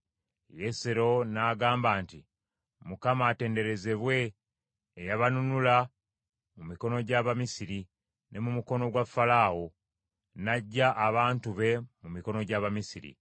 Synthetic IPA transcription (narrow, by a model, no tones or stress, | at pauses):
jeseɾo̞naːɡaːmbaːnti | mukamaːte̞ːnde̞ɾe̞ze̞βwe̞ː | jaβanunula | mumiko̞no̞ɟaβamisiɾi | ne̞mumuko̞no̞ɡwafːalaːwo̞ | naɟːaʔːβaːntuβe̞mumiko̞no̞ɟaβamisiɾḭ